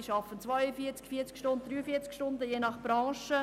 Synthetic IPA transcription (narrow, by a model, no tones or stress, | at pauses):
ʃɑfənt͡sʋɔʏəfiət͡skfiːt͡skʃtʊnt̚d̥̪ɾyːəfiət͡skʃtʊndəjenɑχb̥ɾɑ̃ːʃə